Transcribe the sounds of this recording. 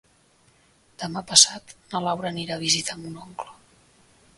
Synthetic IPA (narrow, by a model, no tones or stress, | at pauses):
d̪̥əmapəsat̪nəlawɾəniɾaːβ̞izit̪ʰamunɔŋklə